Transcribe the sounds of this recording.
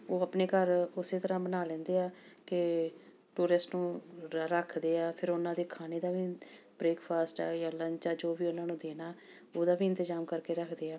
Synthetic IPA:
oːəpneːkəɾʊseːt̪əɾãːbənaːlɛ̃ːnd̪eːaːkɪ | ʈuːɾɪsʈnũːɾəkʰd̪eːaːpʰɪɾʊnãːd̪eːkʰaːneːd̪aːʋiːbɾeːkpʰaːsʈaːjaːləɲt͡ʃaːd͡ʒoːʋiːʊnãːnũːd̪eːnaː | oːd̪aːʋiːɪnt̪əzaːmkəɾkeːɾəkʰd̪eːaː

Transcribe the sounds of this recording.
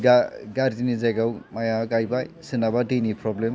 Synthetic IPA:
ɡaɡaɾdinizajɡawmajaɡajbajsinabadejnipʰɾɔblem

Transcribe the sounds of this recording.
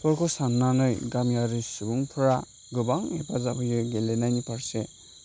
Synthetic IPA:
tʰɔɾkʰɔsanːanɯjɡamjaɾisubuŋpʰɾa | ɡɯbaŋepʰazabɯjɯɡelenajnipʰaɾse

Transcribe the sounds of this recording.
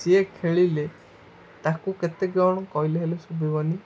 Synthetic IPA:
siekʰeɭile | t̪akuket̪eɡawɔɽ̃ɔkɔɦileɦelusubʱibɔni

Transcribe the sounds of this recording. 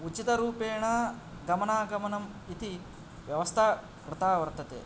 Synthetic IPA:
ut͡ʃit̪ɐɾuːpeːɳɐ | ɡɐmɐnaːɡɐmɐnɐm | it̪i | ʋjɐʋɐst̪ʰa | kɾɪt̪aːʋɐɾt̪ɐt̪ḛː

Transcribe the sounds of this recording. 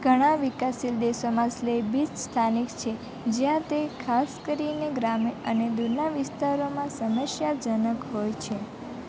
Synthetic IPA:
ɡʱəɽ̃ãʋikasild̪esomãslebid͡ʒst̪ʰanikt͡ʃʰe | d͡ʒjãt̪ekʰaskəɾineɡɾameəned̪uɾnaʋɪst̪aɾomãsəməsjad͡ʒənəkɦojt͡ʃʰe

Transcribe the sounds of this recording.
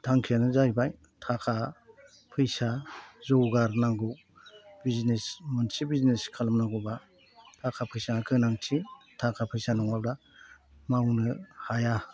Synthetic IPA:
tʰaŋkʰijanɯzajbaj | tʰakʰa | pʰɯjsazɔwɡaɾnaŋɡuw | biznesmɯnsibizneskʰalamnaŋɡuba | tʰakʰapʰɯjsanakʰɯnaŋtʰi | tʰakʰapʰɯjsanɔŋabɾa | mawnɯhaja

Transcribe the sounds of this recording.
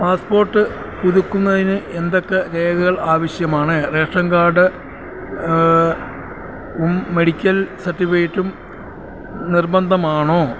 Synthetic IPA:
paːspo̞ːrʈːɨ | puðukːunːɐðinɨʔe̞nd̪o̞kːeɾeːɡɐɣɐɭaːʋɐɕjɐmaːɳɨre̞ːʂɐŋɡaːɖɨ | umːe̞ɽikʲːɐlsɐrʈːifɐjtːum | nirbɐnd̪ʱɐmaːɳoː

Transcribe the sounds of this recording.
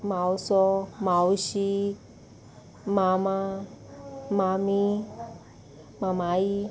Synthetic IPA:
mawsɔmawɕi | mama | mami | mamai

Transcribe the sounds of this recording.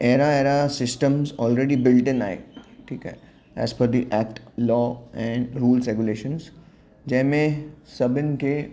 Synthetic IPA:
eːɾaeːɾasɪsʈə̃mzɔːlɾeːɖibɪlʈɪ̃na̰ːḛʈʰiːkɦɛ̰ | ɛ̰ːzfɔɾd̪iʔɛːk̚ʈlɔːɛ̃ɳɖɾuːlsɾeɡjuleːʃə̃ns | d͡ʒɐ̃ɦɪ̃mẽsɐbɪnke

